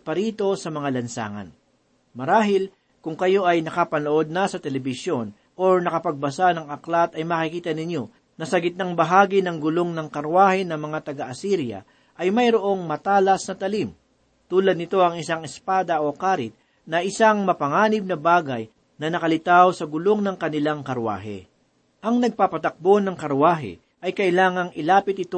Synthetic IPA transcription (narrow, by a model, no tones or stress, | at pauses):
pɐɾiːt̪o̞sɐmɐŋalɐnsa̰ːŋɐ̰n | mɐɾaːɦɪl | kʊŋkɐjo̞ʔɐjnɐkapɐnoʔo̞d̪̚nɐsɐt̪ɛlɛbɪsjo̞n | ʔoɹnɐkɐpɐɡ̚bɐsanɐŋɐklat̪ɐjmɐkɪkiːt̪ɐnɪɲjo̞ | nɐsɐɡɪt̪naŋbɐɦaːɡɪnɐŋɡʊlo̞ŋnɐŋkɐɾwaːhɪnɐŋmɐŋat̪ɐɡɐʔɐsiɾjɐ̰ | ʔɐjmɐjɾoʔo̞ŋmɐt̪aːlɐsnɐt̪ɐlim | t̪uːlɐd̪nɪt̪o̞ɐŋɪsaŋɪspaːd̪ɐʔokaːɾɪt̪̚ | nɐʔɪsaŋmɐpɐŋaːnɪb̚nɐbaːɡɐj | nɐnɐkɐlɪt̪awsɐɡʊlo̞ŋnɐŋkɐnɪlaŋkɐɾwa̰ːɦɛ̰ | ʔɐŋnɐɡ̚papɐt̪ɐk̚bo̞nɐŋkɐɾwaːɦɛ̰ | ʔɐjkɐʔɪlaːŋɐŋɪlaːpɪt̪̚ɪt̪o